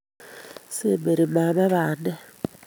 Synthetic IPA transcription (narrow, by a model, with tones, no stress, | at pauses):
sembe˨ɾi˨ma˨ma˦βaː˨nde˦